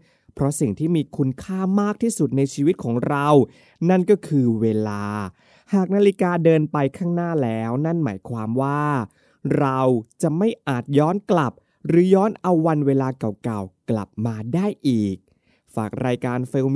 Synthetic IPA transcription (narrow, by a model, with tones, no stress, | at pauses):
pʰɾɔ˦˥si˨˩ŋt̪ʰiː˥˩miː˧kʰu˧nkʰaː˥˩maː˥˩k̚t̪ʰiː˥˩su˨˩t̪̚na˧jt͡ɕʰiː˧wi˦t̪̚kʰɔː˩˦ŋɾa˧w | na˥˩nkɔː˥˩kʰɯː˧weː˧laː˧ | haː˨˩k̚naː˧li˧kaː˧dɤː˧npa˧jkʰaː˥˩ŋnaː˥˩lɛː˦˥wna˥˩nma̰ː˩˦jkʰwaː˧mwaː˥˩ | ɾa˧wt͡ɕa˨˩ma˥˩jʔaː˨˩t̪̚jɔː˦˥nkla˨˩p̚ | ɾɯː˩˦jɔː˦˥nʔa˧wːa˧nweː˧laː˧ka˨˩wka˨˩wkla̰˨˩p̚maː˧daː˥˩jʔiː˨˩k̚ | faː˨˩k̚ɾaː˧jkaː˧nfeː˧w